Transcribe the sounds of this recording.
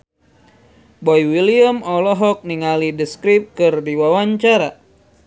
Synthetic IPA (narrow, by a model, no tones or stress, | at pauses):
bɔjwiliəmɔlɔɦɔk̚niŋalidəskɾip̚kɨrdiwawaɲt͡ʃaɾa